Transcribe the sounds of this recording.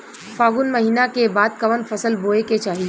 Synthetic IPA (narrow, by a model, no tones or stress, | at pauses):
faːɡʊnmɐɦiːnakebaːd̪̚kɐʋənfʰɐsəlboːeket͡ʃaːɦi